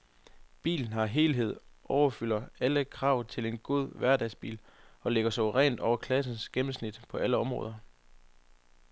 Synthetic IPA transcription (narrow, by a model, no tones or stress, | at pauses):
b̥ḭːln̩ɦɑ̈ɦe̝ːlɦe̝ð̞̰ˠʔɒʊɐfylɐæləkʰʁɑ̈ʊ̰t͡sʰe̝le̝nɡ̥o̝ð̰ˠʋæɐd̥ɛɪsb̥ḭːlɒ̽leɡ̥ɐsɒʊʁɛ̰ːnd̥ɒʊ̰ɐkʰlæs̬n̩sɡ̥emm̩snid̥pʰɒ̽æləɒ̽mʁɔ̽ːðˠɐ